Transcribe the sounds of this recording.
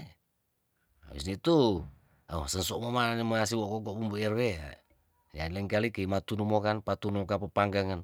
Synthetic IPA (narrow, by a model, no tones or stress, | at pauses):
a̰wḭsnit̪u | aosənsɔmomaneməŋas̬iwokɔkɔbumbuɛrwea̰ | jalɛŋkalikeimat̪unumokanpat̪unuokapəpaŋɡaŋan